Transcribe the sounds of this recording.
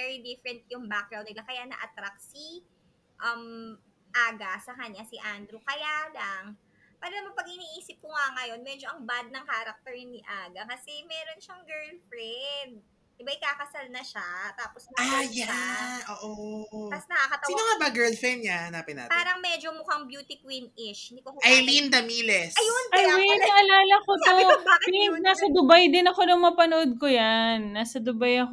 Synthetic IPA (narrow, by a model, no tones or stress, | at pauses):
vɛɹid̪ifɾɛnt̪̚jʊŋbak̚ɡɾaw̃d̪ɪlakɐjanɐ̰ʔɐt̪ɾak̚si | ʔɐm | ʔaːɡɐsɐkɐɲasɪʔand̪ɾʊkɐjalaŋ | paːɾɐnɐmɐpɐɡ̚hɪniːʔiːsɪp̚kʊŋɐŋɐjo̞nmɛd͡ʒoʔɐŋbad̪̚nɐŋkaːɾɐk̚t̪ɛɹɲʊnɪʔaːɡɐkɐsɛmɛːɾo̞nʃɐŋɡɛɹlfɾɛnd̪̚ | ɪbaʔɪkaːkɐsalnɐʃat̪aːposnɐajaʔoːʔot̪ɐsnɐakɐt̪ɐwsinoŋabaɡɛɹldfɛmɲahɐnapɪna̰t̪paːɾɐŋmɛd͡ʒomʊhaŋbjuːt̪ɪkwinɪʃɪnd̪ikohʔajlind̪ɐmiːlɛsɐjonajwɛnɐʔɐlaːlɐkot̪oiɪŋnaːsɐd̪ʊbajd̪ɪnɐko̞d̪ɐŋmapɐnoʔod̪̚kojanːaːsɐd̪ʊbajɐko